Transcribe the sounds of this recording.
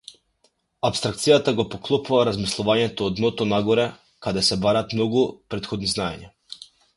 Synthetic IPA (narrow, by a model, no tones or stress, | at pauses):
apst̪ɾak̚t̪sijat̪aɡopoklˠopuvaɾazmislˠɔvaɲɛt̪oːd̪not̪onaɡoɾɛ | kad̪ɛsɛbaɾaːt̪mnoɡupɾet̪xod̪niznajeɲa